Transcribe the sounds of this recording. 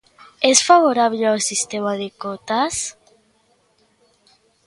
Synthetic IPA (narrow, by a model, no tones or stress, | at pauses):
ɛsfaβoɾaβleawsist̪emaðekot̪as